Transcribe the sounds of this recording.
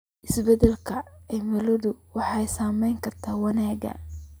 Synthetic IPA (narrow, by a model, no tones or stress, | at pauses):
ʔɪsbɛdɛlkʰɐɛjmɛlɔðʊwɑħɑjsaːmɛjŋkʰɐrt̪ʰaːwɐnaːɡɐ̰